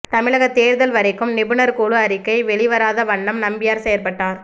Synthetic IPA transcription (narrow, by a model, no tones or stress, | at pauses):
t̪ɐmɪɭɐɣɐt̪ːeːɾðɐlʋɐɾɐɪkːɯmnɪbɯnɐɾkuːɭɯɐɾɪkːɐɪʋɛɭɪʋɐɾaːðɐʋɐɳːɐmnɐmbɪjaːɾsɛjɐɾpɐʈːaːɾ